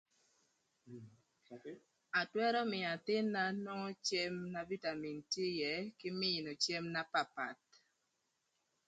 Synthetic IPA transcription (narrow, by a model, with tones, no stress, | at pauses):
a˨twɛ˦ɾɔ˦mɪ˨a˨tɪ˦nːa˦nɔ˦ŋɔ˦t͡ʃɛ˦mna˨vi˦ta˨mi˨ntje˦jɛ˨˦kɪ˦mɪ˦˨no˨t͡ʃɛ˦mna˦pa˨pa˨t̚